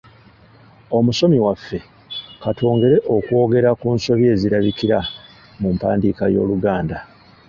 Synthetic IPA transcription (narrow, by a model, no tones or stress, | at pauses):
o̞muso̞miwafːe̞ | katʰo̞ːŋɡe̞ɾe̞ʔo̞kwo̞ːɡe̞ɾakuːnso̞βje̞ːziɾaβikiɾa | mumpaːndiːkajo̞̰ːluɡaːnda